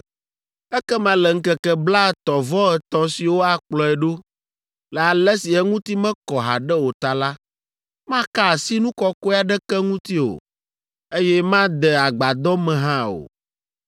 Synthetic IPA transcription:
ɛ˦kɛ˦mã˨lɛ˨ŋ̩˦kɛ˨kɛ˦bla˦ɛ˨t̪ɔ˨vɔ˦ɛ˨t̪ɔ̃˦si˨wo˦a˨k͡plɔ˨ɛ˨ɖo˦ | lɛ˨a˨lɛ˦si˨ɛ˦ŋũ˦t̪i˦mɛ̃˦kɔ˨ɦa̰˨ɖɛ˦wo˨t̪a˨la˦ | mã˦ka˦˨si˦nũ˦kɔ˦kɔ˦a˨ɖɛ˦kɛ˦ŋũ˦t̪i˦o̰˨ | e˦jɛ˦mã˦d̪ɛ˨a˨ɡ͡ba˨d̪ɔ˦mɛ̃˨ɦã˦o̰˨

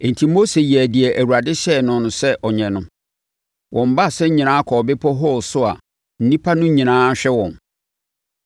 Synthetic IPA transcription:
ɛ̃˨n̩˨tʰi˦mo˦se˨jæ˨dɪ˨ɛ˨ʔæ˨wu˨ɾa˨dɪ˦ɕɛ˦˨nʊ̃˨nʊ̃˨sɛ˦ʔɔ˨ɲɛ̃˨nʊ̃˦ | wʔɔ̃˨m̩˦ba˦˨sɛ˦ɲĩ˨nãː˦kʰɔ˨bɪ˦pʰɔ˦ɦɔ˦˨sʊ˦a̰˨ | n̩˦nĩ˦pʰa˦nʊ̃˦ɲĩ˨nãː˦ɕᶣɛ˦wɔ̰̃˨n

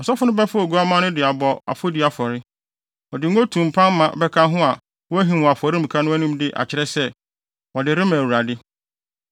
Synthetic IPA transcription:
ɔ˨sɔ˦fʊ˦nʊ̃˦bɛ˦fʊ˦ɔ˨ɡu˦a˦mã˦nʊ̃˦dɪ˨a˨bɔ˨a̰˨fo˦di˨˦a˨fɔ˨ɾɪ˦ | ɔ˨dɪ˨ŋ̩˦o˦tʰũ˨m̩˨pʰã˦mː˦ã˨bɛ˦kʰã˦ɦʊ̃˦a˨ | wɔ˦æ˦ɦĩ˨wɔ̃˨a˨fɔ˨ɾi˦m̩˨kʰã˦nʊ̃˦æ˦nũ˦mdɪ˦ʔa̰˨t͡ɕʰɪ˦ɾɛ˦sɛ˦ | wɔ˨dɪ˨ɾɪ̃˦mã˨wu˨ɾa˨dɪ˦

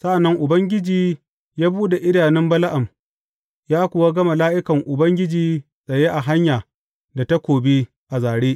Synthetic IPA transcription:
sa˦ʔa˨nːɐ˦ŋʔʊ˨bɐ˦ŋɡʲɪ˦d͡ʒiː˨ | jaː˦buː˦de˨ʔɪ˦daː˨nɪ˦mbɐ˦la˦ʔa˨m | jaː˦kʷʊ˨wa˦ɡɐ˦ma˨laː˦ʔɪ˦kɐ˨ŋʔʊ˨bɐ˦ŋɡʲɪ˦d͡ʒiː˨ | sʼɐ˨je˦ʔa˨ɦa˦ɲjaː˨ | da˨ta˦kʷoː˨biː˦ | ʔa˨zaː˨ɽeː˦ʔ

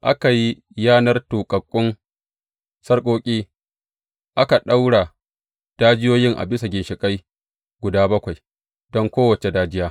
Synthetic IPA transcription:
ʔa̰˦ka˨ji˦ | jaː˦nɐ˦rtuː˨kʼɐ˨kʷʼːʊ˦n | sɐ˦rkʷʼoː˦kʲʼiː˦ | ʔa˦ka˨ɗa˦wɽa˨ | d̥aː˦d͡ʒɪ˦joː˦jɪ˦ŋʔa̰˨bɪ˦sa˨ɡʲɪ˨nʃɪ˨kʼa˦j | ɡʷʊ˨daː˦bɐ˦kʷa˨j | d̥ɔ˦ŋkʷoː˦wɐ˨t͡ʃe˨daː˦d͡ʒɪ˦jaː˦

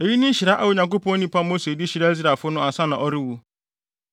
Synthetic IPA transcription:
e˨ji˦nɪ̃˦n̩˦ɕi˨ɾa˦ʔa̰˦wo˨ɲã˨ŋk̬o˦pɔ̃˦nĩ˦pa˦mo˦se˨di˦ɕi˨ɾa˦e˦zɾa˨fʊ˦nʊ̃˦a˨sa˦nã˨ʔɔ˦ɾɪ˦wu˦

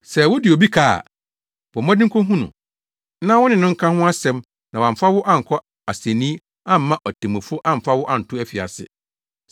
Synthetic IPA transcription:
sɛ˨wʊ˦dɪ˨o˨bi˦kʰa̰ː˦˨ | bɔ˨mɔ̃˦dɪ̃˦kʰõ˦ɦũ˦nṵ̃˨ | nã˦wʊ˦nɪ̃˨nʊ̃˦ŋ̩˦kʰã˦hʊ̃˦a˦sɛ̃˨˦m | nã˨wã˨m˨fa˦wʊ˦ʔã˦ŋ̩˨kʰɔ˦ | a˨se˨nĩ˦ | ã˦˨m̩˦mã˦ʔɔ˨tʰẽ˨mɛ̃˨fʊ˦ʔã˦m̩˨fa˦wʊ˦ʔa˦n̩˨tʰʊ˦æ˦fi˨a̰˨sɪ̰˦

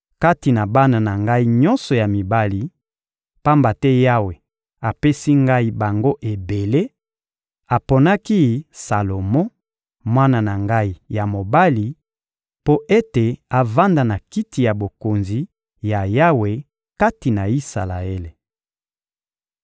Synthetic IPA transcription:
ka˦ti˨na˨ba˦na˨na˨ŋɡa˦i˦ɲɔ̃˦nsɔ˨ja˨mi˨ba˦li˨ | pa˦mba˨tɛ˦ja˦we˨ | a˨pe˦si˦ŋɡa˦i˦ba˨ŋɡo˦ʔe˨be˨le˦ | a˨po˨na˦ki˦sa˨lo˨mɔ̃˦ | mwa˦na˨na˨ŋɡa˦i˦ja˨mo˨ba˦li˨ | po˦ʔe˦te˨a˨va˦nda˨na˨ki˦ti˨ja˨bo˨ko˨nzi˨ | ja˨ja˦we˨ | ka˦ti˨na˨i˦sa̰˨la̰˨e˦le˨

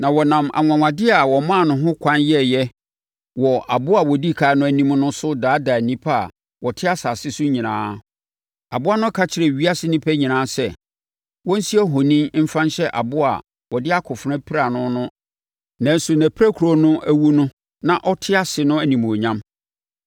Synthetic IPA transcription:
nã˨wɔ˨nã˨mʔa̰˨ŋʷã˨ŋã˨dɪ˦a˨wɔ˨mã˦˨nʊ̃˦ɦʊ̃˦kʷʰã˦njɛ˦jɛ˦ | wɔ˨a˨bʊ˦a˨wɔ˨di˦kʰaː˨˦nʊ̃˦æ˨nĩ˦m˦nʊ̃˦sʊ˦daː˨˦daː˨nĩ˦pʰa˦a̰˨ | wɔ˨tʰɪ˦a˦sa˨sɪ˦sʊ˦ɲĩ˨nãː˦ | a˨bʊ˦a˦nʊ̃˦kʰa˦t͡ɕʰɪ˨ɾɛ˨ɥi˦a˦sɪ˦nĩ˦pʰæ˦ɲĩ˨nãː˦sɛ˦ | wɔ̃˦n̩˦si˦ɛ˦ɦo˨nĩ˦mm̩˦fã˦nɕɛ˦ʔa̰˨bʊ˦a̰˨ | wɔ˨dɪ˦a˦kʰʊ˨fɾã˦pʰi˦ɾa˨nʊ̃˦nʊ̃˦ | nã˨n˦su˨næ̃˨pʰɾæ˦kʰu˨ɾo˨nʊ̃˦ʔæ˦wu˦nʊ̃˦ | nã˨ʔɔ˦tʰɪ˦a˦sɪ˨nʊ̃˦æ˨nĩ˨m˨o˨ɲã˦m

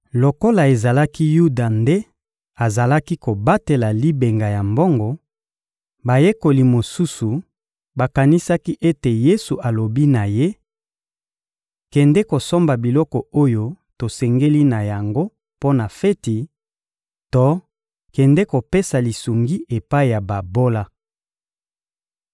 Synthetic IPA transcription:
lo˨ko˦la˨e˨za˨la˦ki˦ju˦da˨nde˦ | a˨za˨la˦ki˦ko˨ba˦te˨la˨li˦be˨ŋɡa˨ja˨mbɔ˦ŋɡɔ˨ | ba˨je˦ko˨li˨mo˨su˦su˨ | ba˨ka˨ni˦sa˦ki˦ʔe˦te˨je˦su˨ʔa˨lo˨bi˦na˨je˦ | kɛ˨ndɛ˦ko˨so˦mba˨bi˨lɔ˦kɔ˨o˦jo˦ | to˨sɛ˨ŋɡe˦li˦na˨ja˨ŋɡo˦ | po˦na˨fɛ˦ti˨ | to˦ | kɛ˨ndɛ˦ko˨pe˦sa˨li˨su˨ŋɡi˦ʔe˨pa˦i˨ja˨ba˨bo˦la˦

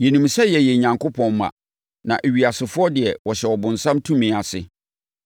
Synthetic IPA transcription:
jɛ˨nũ˨msɛ˦jɛ˨jɛ˨ɲã˨ŋkʊ˦pʰɔ̃˨nmã̰˨ | nã̰˨ʔe˨ɥi˨a˨sɪ˨fʊ˦ɔ˦dɪ˨ɛ˨wɔ˨ɕɛ˨wɔ˨bʊ̃˨nsã˦mtʰũ˦mĩ˨a˨sɪ̰˦

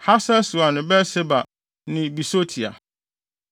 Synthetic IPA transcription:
ha˦sɛ˦su˨a˨nɪ̃˨bɛ˦se˦ba˨ | nɪ̃˨bi˨so˦tʰi˨a̰˨

